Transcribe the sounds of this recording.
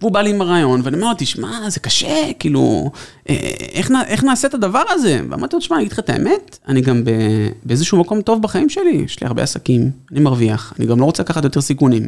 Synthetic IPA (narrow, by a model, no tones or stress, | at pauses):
veubaliimaʁaːjo̞nveaniameot̪iʃmazekaʃekiːlṵʔḛeχnaʔe̞χnaːset̪ad̪avaʁaze̞vḛma̰dt̪iot̪ʃmanɡid̪̥χat̪aḛme̞t̪ | aniɡambe̞beezeʃuːmako̞mt̪o̞vbaχaimʃe̞lijɛ̰ʃlḭa̰ʁbḛasakimanimaʁviaχanḭɡamlo̞ʁo̞t͡selakaχat̪jo̞t̪e̞ʁsikunim